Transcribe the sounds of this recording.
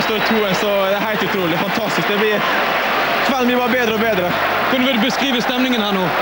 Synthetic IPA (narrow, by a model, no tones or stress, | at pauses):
st̪oːɾɪt̪ʰuːɛsɔd̪ɛæhæɪt̪ʉt̪ʰɾuːlɪfɑnt̪ʰɑst̪ɪsk̚d̪ɛblɪ | t̪ʰʋɛlblɪbɑːɾəbeːd̪ɾəɔbeːd̪ɾə | kʰʊnəʋɪd̪ʉbəskɾiːʋəst̪ɛmnɪŋənhæːnuː